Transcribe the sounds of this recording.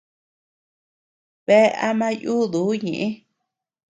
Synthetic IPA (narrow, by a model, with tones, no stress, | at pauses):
βe˦a̰˦mã˦juː˦ðu˨˦ɲḭ̃˨ʔĩ˦